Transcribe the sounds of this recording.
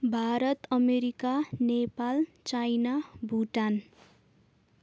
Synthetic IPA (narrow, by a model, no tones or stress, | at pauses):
bʱaɾʌt̪ʌmeɾikanepalt͡sajnabʱuʈan